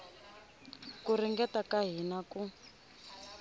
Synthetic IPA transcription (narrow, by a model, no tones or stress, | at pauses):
kuriŋɡɛtakaɦinaku